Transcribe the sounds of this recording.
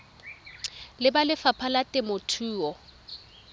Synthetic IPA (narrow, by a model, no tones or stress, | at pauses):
lɪbalɪfapʰalatʼɪmotʰuːɔ